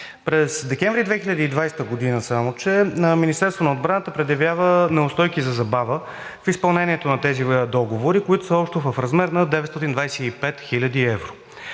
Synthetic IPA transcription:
pɾɛzd̪ɛkɛɱvɾid̪vɛxilʲɐd̪iːd̪vajst̪əɡod̪inəsamot͡ʃɛminist̪ɛɾst̪vonod̪̚bɾanət̪əpɾɛd̪jɐvjavənɛʊst̪ɔjkizɐzɐbavə | fispɐlˠnɛnʲiɛt̪onɐt̪ɛzid̪ɔɡovoɾikoit̪o̥səɔpʃt̪ɛvəfɾɐzmɛɾnɐd̪ɛvɛt̪st̪ɔt̪ind̪vajsɛipɛt̪xilʲəd̪iɛvɾo

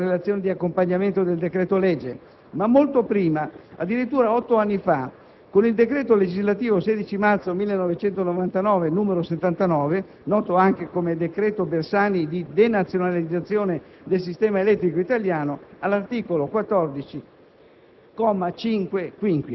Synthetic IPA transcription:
relat̪sjoːned̪iakːompaɲːament̪od̪eld̪ekɾɛːt̪olɛd͡ʒːe | mamːolt̪opɾiːmaa̰d̪ːiɾit̪ːuːɾaɔt̪ːoanːifa | konild̪ekɾɛːt̪oled͡ʒizlat̪iːvoseːd̪it͡ʃimart̪somilːenːɔvet͡ʃɛnt̪onovant̪anɔːvenuːmeɾoset̪ːant̪anɔːve | nɔːt̪oaŋkekomed̪ekɾɛːt̪obersaːnid̪id̪enat̪sːjonalid̪zːat̪sːjoːne | d̪els̬ist̪ɛːmaelɛt̪ːɾikoit̪aljaːnoalːart̪iːkolokwat̪ːɔrd̪it͡ʃi | kɔmːat͡ʃiŋkwekwiŋkwi

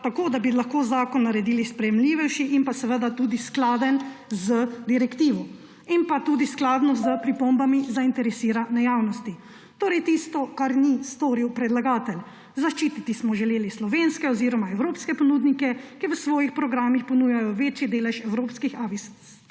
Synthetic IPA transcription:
t̪akoːd̪abilaxkoːzaːkɔnːaɾɛd̪iːlispɾɛjɛmliːʋɛwʃiʔimpasɛʋəd̪at̪ud̪isklaːd̪ənzəd̪iɾɛkt̪iːʋɔ | inpat̪ud̪isklad̪nɔzəpɾipombamizaint̪ɛɾɛsiːɾanɛjawnɔst̪i | t̪oːɾɛjt̪ist̪ɔkaɾnist̪oːɾiwpɾɛd̪laɡaːt̪ɛl | zaʃt͡ʃiːt̪it̪ismɔʒɛleːlislɔʋenskɛɔziɾɔmaɛwɾoːpskɛpɔnud̪nikɛkiʋəsʋɔːjixpɾɔɡɾaːmixpɔnuːjajɔʋeːt͡ʃjid̪eːlɛʃɛwɾoːpskixalis

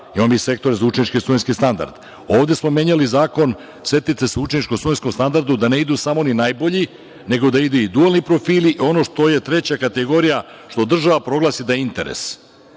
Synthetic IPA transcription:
imamise̞kt̪o̞ɾezaut͡ʃenit͡ʃkisujnskist̪and̪a̰ɾd̪̥ | o̞ːʋd̪e̞smo̞mje̞ɲalizaːko̞n | sʋe̞t̪it̪eseut͡ʃenit͡ʃkosujnskomst̪and̪aɾd̪ud̪ane̞id̪usamo̞ninajbo̞ʎi | ne̞ɡo̞d̪aid̪uid̪ualnipɾo̞fiːliʔio̞no̞ʃt̪o̞je̞t̪ɾe̞t͡ɕakat̪e̞ɡo̞ɾija | ʃt̪od̪r̩ʒaʋapɾo̞ɡlˠasid̪ajeint̪e̞̰ɾḛs

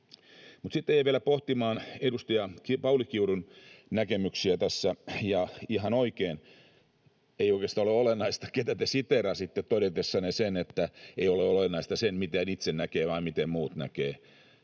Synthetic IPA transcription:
mut̪sit̪ːejæʋielæpoht̪imɑːnedust̪ɑjɑkipɑulikiuɾunnækemyksiæt̪æsːæjɑihɑnoikeːn | eioikest̪ɑoleolenːɑist̪ɑ̥ket̪æt̪esit̪erɑsit̪ːet̪t̪odet̪esːɑnesenet̪ːæeioleolenːɑist̪ɑsenmit̪æːnit̪sennækeːʋɑimmit̪emmuːt̪næ̰keː

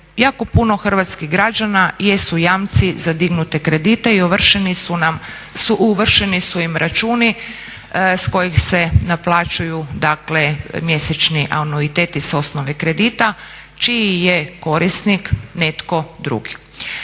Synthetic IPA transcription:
jaːkopuno̞xr̩ʋat̪skiɣɡɾad͡ʒanajesujaːmt̪sizad̪iɡnut̪e̞kɾe̞d̪it̪e̞iuʋr̩ʃenisunam | suʔuʋr̩ʃenisuimɾʔat͡ʃuːni | sko̞jixsenaplˠaːt͡ʃujud̪aklemje̞set͡ʃniʔa̰wnoit̪eːt̪iso̞snoʋekɾe̞d̪it̪a | t͡ʃiijeko̞ɾist̪nikne̞t̪ko̞d̪ɾṵɡi̥

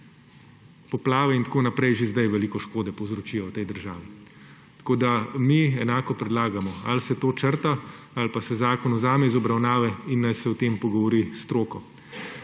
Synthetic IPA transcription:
pɔplaːʋɛint̪koːnapɾɛjʒezd̪ajʋɛliːkɔʃkoːd̪ɛpɔwzɾɔt͡ʃiɔwt̪ɛjd̪əɾʒaːʋi | t̪koːd̪amiɛnaːkɔpɾɛd̪laːɡamɔalsɛt̪oːt͡ʃəɾt̪a | alpasɛzaːkɔnɔzaːmɛizɔbɾawnaːʋɛinːajsɛwt̪eːmpɔɡɔʋɔɾist̪ɾoːkɔ

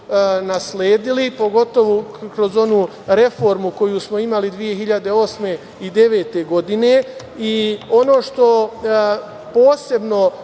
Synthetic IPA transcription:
nasleːd̪ilipo̞ɡo̞t̪o̞ʋokɾo̞zo̞nuː | ɾe̞fo̞ɾmuko̞jusmo̞imalid̪ʋije̞ɦiʎad̪e̞o̞sme̞ | id̪e̞ʋe̞ːt̪e̞ɡo̞d̪ine̞ | iono̞ːʃt̪o̞ | po̞ːse̞bno̞

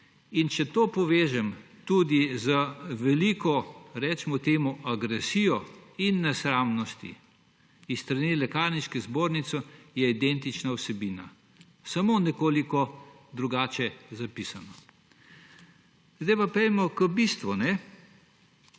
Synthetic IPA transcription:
int͡ʃɛt̪oːpɔʋeːʒɛm | t̪ud̪izəʋɛlikɔɾɛt͡ʃmɔt̪eːmuʔaɡɾɛsijɔinːɛsɾaːmnɔst̪ḭ | ist̪ɾanelɛkaːɾniʃkɛzboːɾnit̪sɔjɛid̪ɛnt̪it͡ʃnawsɛbiːna̰ | samoːnɛkoːlikɔ | d̪ɾuɡaːt͡ʃɛzapisanɔ | zd̪ajpapɛjmɔkəbist̪ʋunɛ

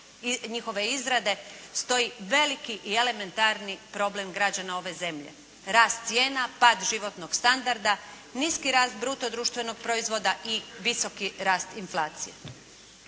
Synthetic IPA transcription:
ɲixo̞ʋe̞izɾad̪e̞st̪o̞jiʋe̞likiʔie̞le̞me̞nt̪aɾnipɾo̞ble̞mɡɾad͡ʑanao̞ʋe̞ze̞mʎḛ | ɾaːst̪̚sje̞ːnapaːd̪ʒiʋo̞t̪no̞ɡst̪and̪aɾd̪a | niskiɾaːst̪bɾut̪o̞d̪ɾuːʃt̪ʋe̞no̞ɡ̚pɾo̞izʋo̞d̪aʔiʋiso̞kiɾaːst̪inflˠaːt̪sijḛ

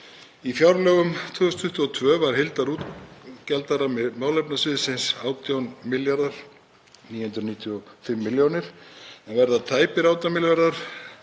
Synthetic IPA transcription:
ifjawɾlœːɣʏmt̪ʰvøːʏst̪ʰʏht̪ːʏɔt̪ʰvœːvaɾ̥hɪlt̪aɾuːt̪cɛlt̪aɾamaːwlɛpnasvɪːðɪsɪnsaːwt̪jawnmɪljaɾðaɾ̥ | niːjhʏnt̪ɾʏniːt̪ʰjʏɔfɪmːɪljownɪɾ̥ɛnvɛɾðat̪ʰaːjpɪɾaːwt̪amɪljaɾðaɾ̥

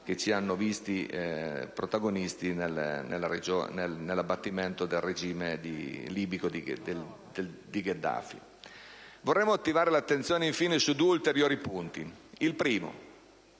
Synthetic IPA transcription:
k̟et͡ʃːianːovist̪i | pɾot̪aɡonist̪inelnḛlːaɾed͡ʒoːnelnelːabːat̪ːiment̪od̪elred͡ʒiːmed̪ḭliːbikod̪id̪e | d̪ed̪iɡed̪a̰fḭ | vorːɛmːoat̪ːivaːɾelat̪ːent̪sjoːneiɱfiːnesud̪ueult̪eɾjoːɾipunt̪ḭilpɾiːmo̰

